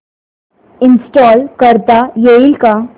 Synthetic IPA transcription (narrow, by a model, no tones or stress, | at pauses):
ɪnsʈɔːlkəɾt̪ajeilka